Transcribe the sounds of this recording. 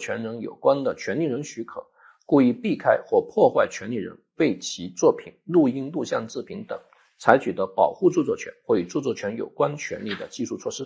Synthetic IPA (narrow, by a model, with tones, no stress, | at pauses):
t͡ɕʰɥɛ̰˧˥nɻə˧˥ŋjo̰˨˩ʊkwa˥nd̪ə˨t͡ɕʰɥɛ˧˥nli˥˩ɻə˧˥ŋɕy˧˥kʰɤ̰˨˩˦ | ku˥˧i˥˧pi˥˩kʰa˥ɪxwɔ˥˩pʰwɔ˥˧xwa˥˩ɪt͡ɕʰɥɛ˧˥nli˥˩ɻə̰˧˥nwe˥˩ɪt͡ɕʰi˧˥t͡swɔ˥˩pʰi˨˩˦nlu˥˧i˥˧ŋlu˥˧ɕjɑ˥˧ŋt͡sɹ̩˥˩pʰi˧˥ŋt̪ɤ̰˨˩˦ŋ | t͡sʰa˧˥ɪt͡ɕʰy˨˩d̪ə˧˥pɑ˨˩ʊxu˥˧t͡su˥˧t͡swɔ˥˩t͡ɕʰɥɛ̰˧˥nxwɔ˥˩y˨˩t͡su˥˧t͡swɔ˥˩t͡ɕʰɥɛ˧˥njo̰˨˩ʊkwa˥nt͡ɕʰɥɛ̰˧˥nli˥˩d̪ə̰˩t͡ɕi˥˧ʂu˥˧t͡sʰwɔ˥˩ʂɻ̩˥